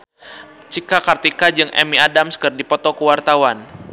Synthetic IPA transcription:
t͡ʃikakart̪ikad͡ʒɨŋʔɛ̰miadamskərdipɔt̪ɔkəwart̪awan

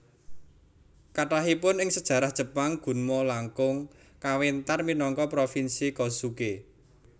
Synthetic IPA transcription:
kaʈaɦipʊnɪŋsəd̥ʒ̥ä̤ɾahd̥ʒ̥ə̤paŋɡ̥ṳnmɔlaŋkʊŋ | kawent̪arminɔŋkɔpɾofinsikɔsuke

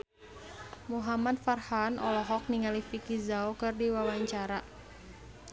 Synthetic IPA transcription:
muɦamad̪̚farhanʔɔlɔɦɔk̚niŋalifikizaokɨrdiwawaɲt͡ʃaɾa

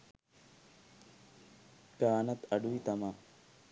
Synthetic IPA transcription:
kaːnɐt̪ɐɖuit̪ɐma

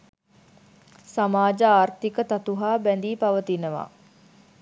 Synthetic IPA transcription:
samaːd͡ʒəaːrt̪ikət̪at̪uɦaːbænd̪iːpaʋət̪inəʋa̰

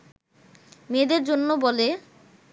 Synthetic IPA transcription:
med̪eɾd͡ʑonːobɔle

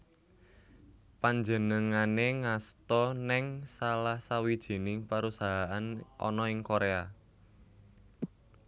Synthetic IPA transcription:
paɲd͡ʒənəŋaneŋast̪ɔnɛŋsalahsawid̥ʒ̥i̤nɪŋpaɾusaɦaʔanʔɔ̰nɔɪŋkoɾea

